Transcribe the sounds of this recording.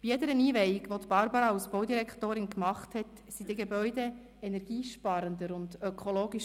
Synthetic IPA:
b̥ijɛdəɾəniːʋɛjiɡʋot̪b̥ɑɾbɑɾɑwsb̥ɔʊd̪iɾɛkχt̪oːɾɪnkmɑχthɛt | sid̥iɪɡebœʏdɛ | ɛnɛɾɡ̥iːʃpɑɾənd̪əɾʊndœkχoloːɡiʃ

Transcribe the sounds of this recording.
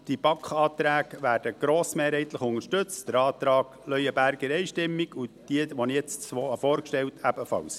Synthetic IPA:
d̥ib̥ɑkχɑːt̪ɾæːɡ̥ʋæːɾd̥əɡ̥ɾoːsmeːɾhɛɪt̪ləχʊnəʃtɵt͡std̥əɾɑːt̪ɾɑːɡ̥lœjəbæɾɡ̥əɾɛɪʃtɪmːiɡ̥ud̥iəʋɔnijɛt͡st͡sʋɔːfɔːɾkʃtɛwtʰæb̥əfɑ̰ws

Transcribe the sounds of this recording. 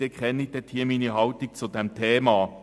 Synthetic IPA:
ikʰʁɛnɪd̥̪eɐtʰiːɐminihɑʊt̪ɪk̚t͡sudɛmt̪ʰeːmɑː

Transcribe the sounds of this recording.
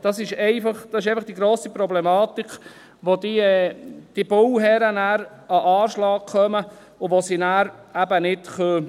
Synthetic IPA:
d̥ɑsɪʃɛɪfɑχd̥ɑsɪʃ̬ɛɪfɑχd̥iɡɾoːsipɾɔblɛmɑːt̪ik | ʋod̪iɛd̪̥ibʊwɦɛɾənæːɾ | ɑʔɑːɾʃlɑːk̚χœmə | ʊʋosinæːɾæbənɪtχø

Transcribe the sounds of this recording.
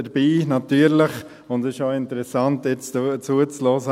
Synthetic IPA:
əɾbiːnɑtyːəɾlɪχ | ʊndɪʃoʊɪntəɾɛsɑntjɛt͡st͡suət͡slɔːzə

